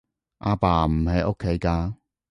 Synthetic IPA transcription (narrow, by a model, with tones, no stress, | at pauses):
ʔaː˧paː˧m̩˨˩he˨˧jʔo˥kʰːe˨˥jkaː˧